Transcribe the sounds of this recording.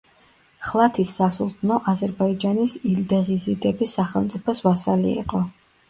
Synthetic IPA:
χlˠat̪ʰisːasulˠt̪ʰnɔʔazɛɾbaid͡ʒanisild̪ɛʁizid̪ɛbisaχɛlˠmt̪sʼipʰɔsvasalḭḭqʼɔ

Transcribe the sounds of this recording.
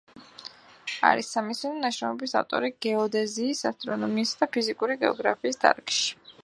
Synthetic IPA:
a̰ɾisːamisininaʃɾɛmɔbisa̰vt̪ʼɔ̰ɾiɡ̥ɛɔd̪ɛziːsa̰st̪ʼɾɔnɔmiːsd̪apʰizikʼuɾiɡɛ̰ɔ̰ɡɾa̰pʰiːsd̪a̰ɾkʼʃi̥

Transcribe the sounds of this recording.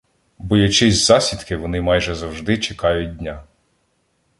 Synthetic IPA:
bɔjɐt͡ʃɪzʲzɑsʲid̪kɪʋɔnɪmɑjʒɛzɐwʒd̪ɪt͡ʃɪkɑjʊt̚ʲdʲnʲa

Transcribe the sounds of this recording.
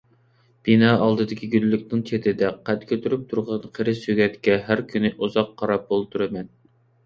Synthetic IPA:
b̥inɑːɑlˠd̪ɨd̪ɨkʲiɡʲylːykʲnɪŋt͡ʃʰet̪ʰɪd̪ɛqʰæt̪kʲʰøt̪ʰyɾyp̚t̪ʰuɾʁɑnqʰeɾɪsøɡʲɛt̪kʲɛɦæɾkʲʰynɪʔuzɑqʰːɑɾɑp̚bolˠt̪ʰuɾɨmɛn

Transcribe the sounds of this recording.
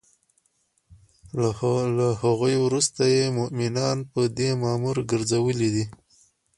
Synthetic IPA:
lahaɣojwɾust̪ajemʊʔmɪnɑnpəd̪emɑmuɾɡəɾzawəlid̪i

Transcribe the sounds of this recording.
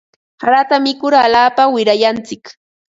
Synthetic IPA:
haɾat̪amɪkʊɾalaːpawɪɾajant͡sɪk

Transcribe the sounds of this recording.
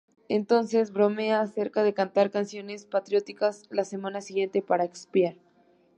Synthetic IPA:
ent̪o̞nse̞zβɾo̞meaːse̞ɾkaðe̞kant̪aɾkansjo̞ne̞spat̪ɾjo̞t̪ikaslase̞mãnasiɣje̞nt̪e̞paɾaekspjaɾ

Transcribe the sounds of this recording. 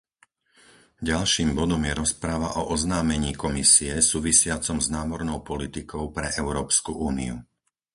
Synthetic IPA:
ɟalʃiːmbɔd̪ɔmjɛɾɔspɾaʋa̰ʔɔʔɔznaːmɛɲiːkɔmisiɛsuːʋisɪat͡sɔmznaːmɔɾnɔʊpɔlit̪ikɔʊpɾɛʔɛʊɾɔːpskuʔuːnḭu

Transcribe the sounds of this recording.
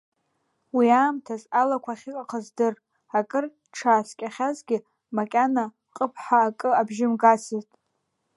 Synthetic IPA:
wiaːmtʰazalakʷʰaχʲɪkʼaqʰazdɨr | akʼɨr | ʈ͡ʂʰaːskʲʼaχʲazɡʲɪ | makʲʼana | qʼəpʰħaːkʼɨabʒɪmɡasɨztʼ

